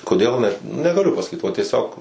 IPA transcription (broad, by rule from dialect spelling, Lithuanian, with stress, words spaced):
koːˈdʲeːlˠ nʲɛt nʲɛɡɐˈlʲʊ pɐsɐˈkʲiːt ʋɐ tʲiɛˈsʲoːk